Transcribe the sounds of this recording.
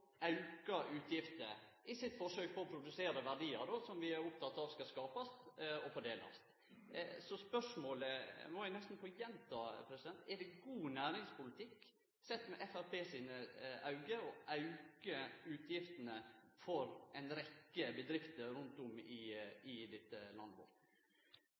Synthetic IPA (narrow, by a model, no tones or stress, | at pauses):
ʔɑʉkɑʔʉːt̪ʰjɪft̪ə | ɪsɪt̪fɔʂøːk̚fʰɔɾɔpʰɾʊd̪ʉseːɾəʋæɖiːəɾd̪osɔmʋɪæɾʊp̚t̪ʰɑt̪ːɑːʋskɑskɑːpɑst̪ɔfɔɖeːlɑ̰st̪ | sɔspœʂmoːləmɔʋænɛst̪n̩pʰɔjɛnt̪ʰɑːpʰɾɛsɪd̪ɛnt̪ɛɖɛɡuːnæːɾɪŋspʊlɪt̪ʰɪkː | sɛt̪ːmɛʔɛfæɾpʰeːsiːnəʔɑʉɡəɔʔɑʉkəʉːt̪ʰjɪft̪ənəfɔɾʔɛɪnɾɛkːəbəd̪ɾɪft̪əɾʉnt̪ʊmɪɪd̪ɪt̪ːəlɑ̰nd̪ʋɔ̰ɾt̪